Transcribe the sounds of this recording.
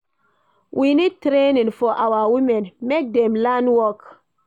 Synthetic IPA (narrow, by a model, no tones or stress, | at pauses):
wʔinitɾeninfɔʔawawimɛnmek̚demlanwɔk